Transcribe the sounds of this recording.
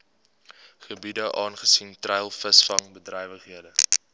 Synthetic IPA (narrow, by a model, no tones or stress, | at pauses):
χəbidəʔɑːnχəsintrɛjlˠfəsfɐŋbədrɛjvəχɦiədə